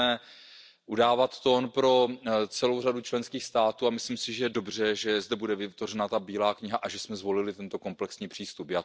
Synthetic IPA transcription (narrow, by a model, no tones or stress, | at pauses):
ɛ | ʔudaːvat̪ːo̞npɾo̞t͡sɛlo̞wradut͡ʃlɛnskiːxst̪aːt̪uːamɪslimsɪʒɛjɛdo̞br̝ɛʒɛzdɛbudɛvɪt̪vorɛnat̪abiːlaːkɲɪɦaʔaʒɛsmɛzvo̞lɪlɪt̪ɛnt̪o̞ko̞mplɛksɲiːpr̝̥iːst̪upjaː